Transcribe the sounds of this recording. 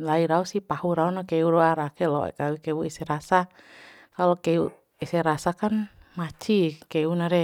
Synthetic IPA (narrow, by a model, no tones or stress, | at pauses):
laiɾausihpahuɾaunakɛuɾoaɾakɛlɔʔɛ̰kawikɛuisɛɾasa | kalokɛu | ɛsɛɾasakanmat͡ʃikeunaɾɛ